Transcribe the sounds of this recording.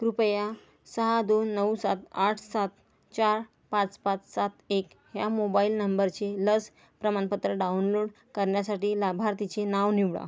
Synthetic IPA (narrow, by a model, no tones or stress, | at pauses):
kɾupəja | səɦad̪onːəwsat̪aʈʰsat̪ | t͡ɕaɾ | pãt͡spãt͡ssat̪ek | ɦjamobailnəmbəɾt͡seləs | pɾəmanpət̪ɾəɖaunloɽ | kəɾɳjasaʈiːlabʱaɾt̪it͡senaʋniʋɭa̰